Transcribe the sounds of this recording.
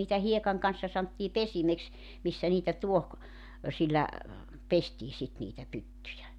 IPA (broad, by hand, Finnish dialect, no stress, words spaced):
niːtæ hiekɑŋ kɑnsːɑ sɑntːiː pesimeks misːæ niːtæ tuoh ø silːæ pestiː sit niːtæ pytːyjæ